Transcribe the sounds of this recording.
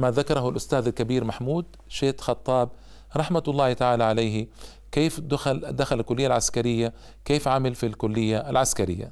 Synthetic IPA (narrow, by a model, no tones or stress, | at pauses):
maðakɑɾˤɑhʊlʔʊst̪aːðalkabiːɾmaħmuːd̪ | ʃeːt̪xɑt̪ˤːɑːb̚ | ɾˤɑħmat̪lˤːɑːht̪aʕaːlaʕalejhɪ | keːfd̪ʊxald̪axalalkʊlːɪjːalʕaskaɾɪjːa | keːfʕamɪlfilkʊlːɪjːaʔalʕaskaɾɪ̰jːa̰